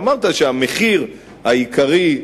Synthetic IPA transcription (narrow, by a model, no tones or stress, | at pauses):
maʁt̪aʃeameχiʁ | haikʰaʁi